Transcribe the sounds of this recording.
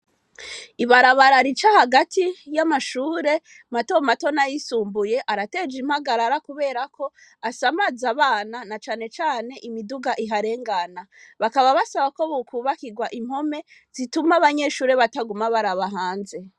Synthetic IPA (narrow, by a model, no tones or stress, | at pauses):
iβaɾaβaɾaɾit͡ʃahaɡatijamaʃuːɾe̞ | mato̞mato̞najisuːmbuje̞ʔaɾate̞d͡ʒimhaɡaɾaɾakuβe̞ːɾakʰo̞asamazaβaːnanat͡ʃaːne̞t͡ʃaːne̞ʔimiduɡaʔiɦaɾe̞ːŋɡanaβakaβaβasaβako̞βukʰuːβakiɡwaʔim̥ho̞me̞z̥itumaβaɲe̞ʃuːɾe̞βataɡumaβaɾaβaɦaːnze̞